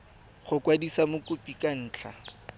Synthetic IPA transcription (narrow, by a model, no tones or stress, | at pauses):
χʊkwadisamʊkʼʊpʼikʼan̩ːt͡ɬʰa̰